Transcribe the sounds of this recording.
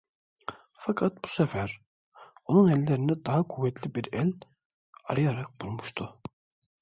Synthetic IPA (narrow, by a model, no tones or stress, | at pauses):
fɑkʰɑt̪̚bu̥sæfæɾ | onunɛlːeɾinɛd̪ɑɦɑkʰuvːɛt̪ʰlibiɾɛl | ɑ̰ɾɯjɑɾɑq̚bulˠmuʃt̪ʰu